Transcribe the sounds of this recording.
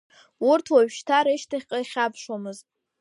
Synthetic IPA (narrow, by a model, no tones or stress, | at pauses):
urtʰwaɥʃtʰaɾeʃtʰaχʲqʼajχʲapʰʂwamɨzt